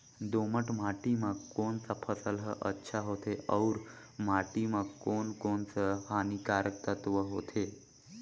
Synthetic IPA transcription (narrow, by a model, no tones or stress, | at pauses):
d̪oməʈmaʈimãkonsapʰəsəlɦəʔə̰tːʃʰaɦot̪ʰeʔəwɾmaʈimãkonkonsəhanikaɾək̚t̪ət̪ʋəɦo̰t̪ʰe